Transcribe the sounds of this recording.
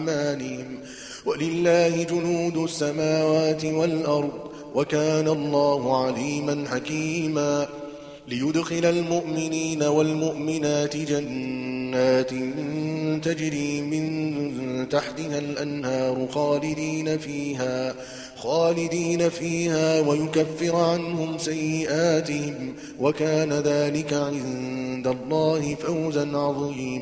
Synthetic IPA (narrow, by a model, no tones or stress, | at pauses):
maːnɪhɪm | walɪlːaːhɪd͡ʒʊnuːd̪ʊsːamaːwaːt̪ɪwalʔɑɾˤd̪ˤ | wakaːnalˤːɑːhʊʕaliːmanħakiːmaː | lɪjʊd̪xɪlalmʊʔmɪniːnawalmʊʔmɪnaːt̪ɪd͡ʒanːaːt̪ɪnt̪ad͡ʒɾiːmɪn | t̪aħt̪ɪhalʔanhɑːɾˤʊxaːlɪd̪iːnafiːɦaː | xaːlɪd̪iːnafiːhaːwajʊkafːɪɾʕanhʊmsajːɪʔaːt̪ɪhɪm | wakaːnaðaːlɪkaʕɪnd̪alˤːɑːhɪfawzanʕɑðˤiːiːma